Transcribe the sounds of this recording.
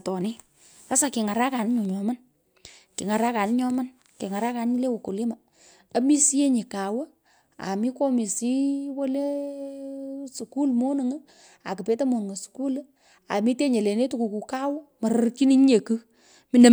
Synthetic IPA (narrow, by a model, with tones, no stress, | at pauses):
tɔ˨ni˦ | a˦sa˨ki˨ŋa˨ɾa˦ka˨nɪ˦ɲo˨ɲɔ˨ma˦n | ki˨ŋa˨ɾa˦ka˨nɪ˦ɲɔ˦ma˦n | ki˨ŋa˨ɾa˦ka˨n˦ɲi˦le˦wo˨ku˨lɪ˦ma˨ | ɐ˦mi˦si˦je˦ɲi˨ka˨wə˦ | a̰˨mi˦kɔ˦mi˨si˦wo˦le˦ | su˨ku˦lmo˦nɨ˨ŋ˦ | a˨kɨ˨pe˦te˦mo˨n˨ŋo˨su̥˨ku˦l | a̰˨mi˦te˦ɲe˨le˨ne˦tu˦ku˨ku˨ka˦wɔ˦ma˨ɾə˦rki˦ni˦ɲ˦ɲe˨kɨ˦ | mi˨˦nə˨